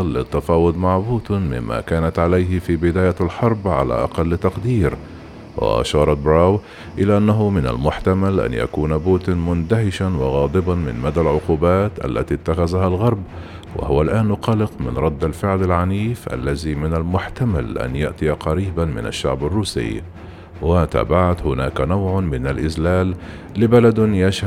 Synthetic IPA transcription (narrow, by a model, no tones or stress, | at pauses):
lːɪt̪ːafɑːwʊd̪maʕbuːt̪mɪ̰mːa̰ːkaːnat̪ʕalajɦɪfiːbɪd̪aːjalħɑɾˤbʕala̰ʔɑqɑlːt̪ɑqd̪iːɾ | wa̰ʔa̰ʃɑːɾˤɑt̪̚bɾaːw | ʔɪlaːʔanːaɦʊmɪna̰lmʊħt̪amalʔa̰nja̰kuːnabuːt̪ɪnmʊnd̪aɦɪʃanwɑɣɑːd̪ˤɨbɑnmɪ̰nmad̪alʕʊquːbaːt̪ʔa̰lːa̰t̪it̪ːaxazahalɣɑɾˤb | wa̰hʊwalʔaːnːʊqɑlɪqmɪ̰nɾˤɑd̪ːalfɪʕlalʕaniːfʔa̰lːaziːmɪnalmʊħt̪amalʔa̰njaʔt̪ɪjaqɑɾiːbamɪ̰na̰ʃːaʕbarˤːuːsɪ̰j | wat̪a̰ːbaʕat̪hʊnaːkanawʕʊmɪnalʔɪzlaːlː | ɪbalad̪jaʃh